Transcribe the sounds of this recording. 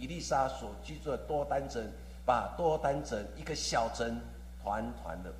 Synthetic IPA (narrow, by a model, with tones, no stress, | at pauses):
i˨li˥˨sa˦swɔ˨˩t͡ɕy˥˧˦t͡su˥˩ət̪wɔ˦t̪a˦nt͡sʰə˨˦n | pa˨˩t̪wɔ˥˦t̪a˦nt͡sʰə˧˦ni˦ɡə˨ɕja˥˨˩ʊt͡sʰə˦n | t̪ʰwa˧˦nt̪ʰwa̰˨˦nd̪ə˧